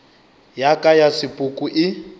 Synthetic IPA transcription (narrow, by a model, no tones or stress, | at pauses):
jakʼajasɪpʼʊkʼuʔɪ